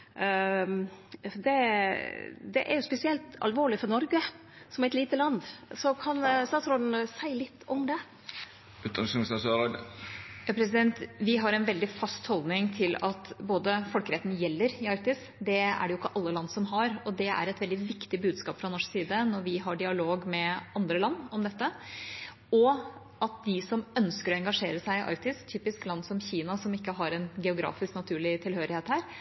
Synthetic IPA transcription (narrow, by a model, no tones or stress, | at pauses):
d̪ɛ | d̪ɛ̰ʔæ̰ɾjʊspɛsɪɛlt̪ɑ̰lʋoːɭɪfɔɾnɔɾɡə | sɔmɛt̪liːt̪əlɑnd̪sɔkʰɑnst̪ɑːt̪sɾɔn̩sæɪlɪt̪ːɔmd̪ɛ | ʉːt̪ɑnsmsɑsøɾd̪jɑpʰɾɛs̬ɪd̪ɛnt̪ʋɪɦɑɾɛnʋɛld̪ɪfɑst̪hɔld̪nɪŋt̪ʰɪlɑt̪boːd̪əfɔlkəɾɛt̪njɛlːəɾɪɑɾk̚t̪ɪs | d̪ɛæ̰ɖɛjʊɪkːəʔɑlːəlɑnːsɔmɦɑɾɔd̪ɛæ̰ɾɛt̪ʋɛld̪ɪʋɪkt̪ɪbʉːd̪skɑːpfɾɑnɔʂksiːd̪ənɔɾʋɪɦɑɖɪɑloːɡmɛɑnd̪ɾəlɑnːɔmd̪ɛt̪ːə | ɔ | ʔɑt̪̚d̪ɪsɔmœnskəɾɔɛŋɡɑʂeːɾəsæɪɪʔɑ̰ɾk̚t̪ɪst̪ʰyːpɪsklɑnːsɔmçiːnɑsɔmɪkːəɦɑɾɛnɡɛʊɡɾɑ̰ːfɪsknɑt̪ʰʉːɭɪt̪ʰɪlhøːɾɪheːt̪hæːɾ